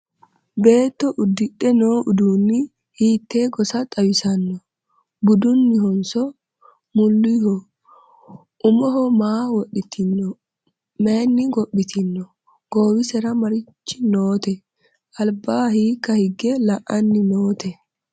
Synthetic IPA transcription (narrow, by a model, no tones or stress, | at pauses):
be̞ːt̪ːɔʔʊd̪ːɪɗːɛnoːʔʊd̪uːnːɪ | hiːt̪ːeːɡɔsɐt̪ʼɐwɪsɐnːɔ | bʊd̪ʊnːɪɦɔnsɔ | mʊlːɪhɔ | ʔʊmɔɦɔmaːwɔɗɪt̪ɪnːɔ | meːnːɪɡɔɓːɪt̪ɪnːɔ | ɡ̥oːwɪsɛɾɐmɐɾɪt͡ʃːɪnoːt̪ɛ | ʔɐlbaːhiːkːɐhɪɡɛlɐʔɐnːɪnoːt̪ɛ